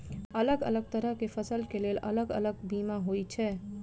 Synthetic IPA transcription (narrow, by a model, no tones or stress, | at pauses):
ələɡə̰ləɡ̚t̪əɾəɦkefʰəsəlkelelə̰ləɡə̰ləɡbimaɦojt͡ʃʰɛ